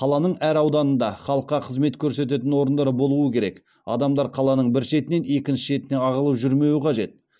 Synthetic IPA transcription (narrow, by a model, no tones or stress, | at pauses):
qʰɑlˠɑnəɴæɾɑwd̪ɑnənd̪ɑχɑlˠəqːɑqʰəzme̞t̪kʲʰɵɾse̞t̪̬e̞t̪ɪnwo̞ɾənd̪ɑɾəbo̞lˠuwəkʲʰe̞ɾe̞̰k | ɑ̰d̪ɑmd̪ɑɾqʰɑlˠɑnəɴbɪɾʃe̞t̪ɪne̞ne̞kʲɪnʃɪʒe̞t̪ɪne̞ɑʁəlˠəpʒʏɾme̞wɪqʰɑʒe̞t̪̚